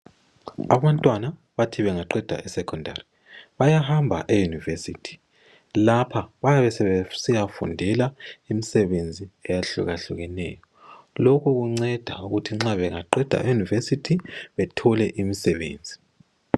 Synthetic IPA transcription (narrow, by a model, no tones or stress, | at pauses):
aβantʼwana | βatʰiβɛŋaǃɛd̥ʱa̰ʔɛsɛkʰɔndʱa̰ri | βajaɦambʱa̰ʔejunivesḭːtʰi̥ | lapʰaβajaβɛsɛβsijafṵndʱɛlaimisɛβend͡zʱiɛjaɬṵɣaɬuɣɛnɛ̰ːjɔ | lokʰuɣuŋ͡ǀɛd̥ʱauɣutʰiŋ͡ǁaβɛŋa̰ǃɛd̥ʱa̰ejunivesitʰiβɛtʰɔlɛʔimisɛβḛːnd͡zʱi̥